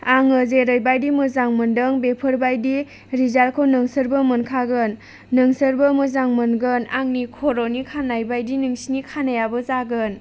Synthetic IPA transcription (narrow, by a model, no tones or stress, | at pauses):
aŋɯzeɾəjbajdimɯzaŋməndəŋbepʰəɾbajdi | ɾizalkʰɯwnɯŋsəɾbəmɯnkʰaɡɯnː | ɯŋsəɾbəmɯzaŋmɯnɡɯnaŋnikʰoɾonikʰanːajbajdinɯŋsinikʰanajabɯzaɡɯn